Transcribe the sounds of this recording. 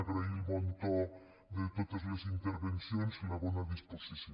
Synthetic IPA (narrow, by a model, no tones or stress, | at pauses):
ɣɾailmont̪o | d̪et̪oðozlasint̪eɾβensjoneslaβonaðisposisj